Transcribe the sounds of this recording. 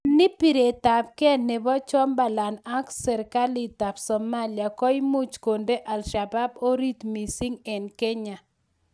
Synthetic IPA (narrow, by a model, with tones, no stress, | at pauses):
nɪ˦pi˨ɾe˨ta˨p̚kɛ˦ne˨bɔ˦t͡ʃɔ˦mba˨la˨na˦ksɛ˨ɾka˦li˨ta˨bsɔ˨ma˦lia˨kɔ˦i˦mu˦t͡ʃko˨nde˦ʔa˨lʃa˨ba˦bo˦ɾi˦t̪mi˨si˦ŋɛ˨nkɛ˦ɲa˨